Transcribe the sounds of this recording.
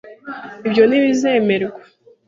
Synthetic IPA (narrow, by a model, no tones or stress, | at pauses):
ibjo̞niβizeːmeɾɡḁ